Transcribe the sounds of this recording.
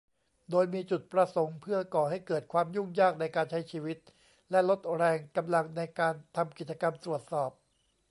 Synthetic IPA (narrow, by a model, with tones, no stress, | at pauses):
doː˧jmiː˧t͡ɕu˨˩t̪̚pɾa˧so˩˦ŋpʰɯ˥˩ɐkɔː˨˩ɦa˥˩jkɤː˨˩t̪̚kʰwaː˧mju˥˩ŋjaː˥˩k̚na˧jkaː˧nt͡ɕʰa˦˥jt͡ɕʰiː˧wi˦˥t̪̚ | lɛ˦˥lo˦˥t̪̚ɾɛː˧ŋka˧mla˧ŋna˧jkaː˧nt̪ʰa˧mki˨˩t͡ɕa˧ka˧mt̪ɾu˨˩ət̪̚sɔː˨˩p̚